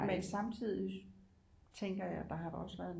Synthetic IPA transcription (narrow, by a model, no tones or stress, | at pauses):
mensɑ̈mt͡sʰið̰ˠi | t͡sʰeŋɡ̥ɐjɑ̈d̥ɑ̈ɦɑ̈d̥ɒ̽səʋæːɐðˠ